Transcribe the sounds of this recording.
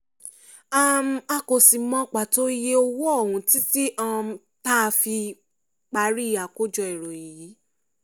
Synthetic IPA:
a˨m˨a˧ko˨si˨mɔ̃˧k͡pa˨to˦i˦je˦o˧wo˦ɔ˦˨hũ˨˧ti˦ti˦ʔã˧ | ta˦˧fi˧ | k͡pa˧˦ɾi˦˨˦a˨ko˦d͡ʒɔ˧ɛ˨ɾo˨ji˨ji˨˦

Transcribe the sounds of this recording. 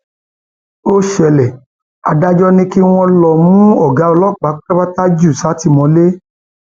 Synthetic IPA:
o˦ʃɛ˨lɛ˨ | a̰˨da˦d͡ʒɔ˦nĩ˧ki˦w̃ɔ̃˧lɔ˨mũ˦ɔ˦˨ɡa˨˦˧lɔ˦˨k͡pa˨˦k͡pɾɛ˦ba˦ta˦d͡ʒu˦˨sa˨˦ti˧mɔ̃˨˧˦le˦

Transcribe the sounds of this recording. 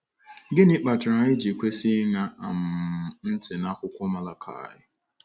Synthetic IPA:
ɡɪ˦nɪ˦k͡pa˨tɾa˨ɲɪ˦d͡ʒi˨kʷe˦si˦ŋa˦a˨m˨n̩˦tʰɪ˨na˦kʷʊ˦kʷʊ˦ma˦la˨kʰa̰˨ɪ˦

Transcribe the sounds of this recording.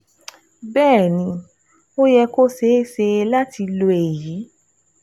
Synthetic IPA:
bɛː˦˨nĩ˧˦ | o˦jɛ˧ko˦se˦e˦se˧la˦ti˧lo˧e˨jiː˨˦

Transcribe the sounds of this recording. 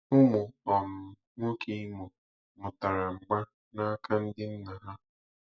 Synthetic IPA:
ʊ˦mʊ˨ɔ˨m̩˨ | ŋʷo˦ki˦i˦mo˨ | mʊ˨ta˨ɾa˨ŋ͡m̩˨ɡ͡ba˦ | na˦ka˦n̩˦dɪ˦n̩˦na˨ɦa˦

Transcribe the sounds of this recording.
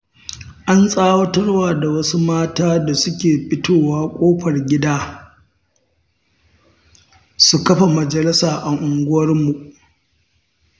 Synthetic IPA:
ʔa˦nsʼaː˦wɐ˦tɐ˦rwaː˨da˨wɐ˦su˦maː˦taː˦da˨sʊ˦kʲeː˨ɸɪ˦toː˦waː˦kʷʼoː˦ɸɐ˨rɡʲɪ˦daː˦ | su˨kɐ˦ɸa˨mɐ˨d͡ʒɐ˨lɪ˦saː˨ʔa˨ŋʔʊ˨ŋɡʷʊ˦wɐ˦rmu˨ʔ

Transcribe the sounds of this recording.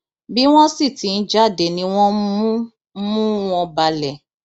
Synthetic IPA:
bi˦w̃ɔ̃˦si˦˨ti˨˦n̩˦d͡ʒa˦˨de˨nĩ˦w̃ɔ̃˦ũ˦ | mũ˦w̃ɔ̃˧ba˧lɛ˨

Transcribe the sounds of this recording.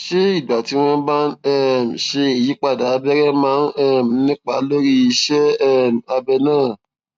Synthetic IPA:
ʃe˦i˦˨ba˨ti˨˦w̃ɔ̃˧ba˦nɛ˦m˨ʃe˧i˨ji˨˦k͡pa˦˨da˨˧˦bɛ˦ɾɛ˦mãː˨˦nɛ˦˨m˧nĩ˦k͡pa˦˨˦lo˦ɾi˦i˧ʃɛ˦ɛ˦m˨a˧bɛ˧nãː˦˨

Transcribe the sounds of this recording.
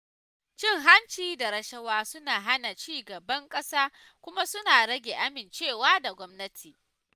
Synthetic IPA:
t͡ʃɪ˦ŋɦa˦nt͡ʃiː˦da˨ɾɐ˦ʃɐ˦waː˦sʊ˦naː˨ɦa˦na˨t͡ʃiː˦˨ɡɐ˨bɐ˦ŋkʼɐ˦saː˦ | kʷʊ˦ma˦sʊ˦naː˨ɽɐ˦ɡʲe˨ʔa˦mɪ˨nt͡ʃeː˦˨waː˦da˨ɡʷɔ˦mnɐ˦tʰiː˨

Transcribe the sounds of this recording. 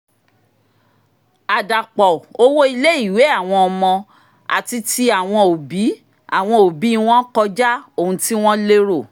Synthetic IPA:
a˨da˨k͡pɔ˨o˦wo˦i˧le˦i˦˨we˨˦a˦˨w̃ɔ̃˧ɔ˧mɔ̃˧ | a̰˨ti˧ti˧a˨w̃ɔ̃˧o˨bi˨˦ | a̰˨w̃ɔ̃˧o˨bi˨˦w̃ɔ̃˦kɔ˧d͡ʒa˦o˦˨hũ˧ti˦w̃ɔ̃˦le˦ɾo˦˨

